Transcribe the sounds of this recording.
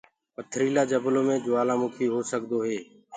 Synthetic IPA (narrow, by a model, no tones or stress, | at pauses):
pət̪ʰɾiːlaːd͡ʒəbloːmẽːd͡ʒoːaːlãːmʊkʰiːɦoːsəkd̪oːɦeː